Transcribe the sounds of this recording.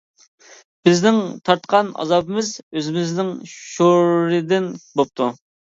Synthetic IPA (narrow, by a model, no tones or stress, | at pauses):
b̥ɪznɪŋt̪ʰɑɾt̪qʰɑnɑ̰zɑbɪmɪzøzɪmɪznɪŋʃoɾɾɪd̪ɪnbop̚t̪ʰu